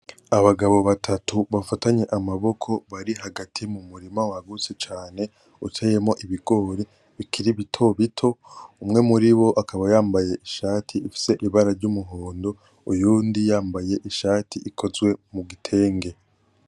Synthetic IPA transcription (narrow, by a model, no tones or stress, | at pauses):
aβaɡaβo̞βatʰatuβafataɲe̞ʔamaβo̞kʰo̞βaɾiɦaɡatʰimumuɾimawaɡut͡set͡ʃaːne̞ | utʰe̞je̞mo̞ʔiβiɡo̞ɾi | βikʰiɾiβitʰo̞βitʰo̞umŋe̞muɾiβo̞ʔakaβajaːmbaje̞ʔiʃaːtʰiifi̥se̞ʔiβaɾaɾɟumuɦo̞ːndo̞ | ujuːndijaːmbaje̞ʔiʃaːtʰiʔikʰo̞zwe̞muɡitʰe̞ːŋɡe̞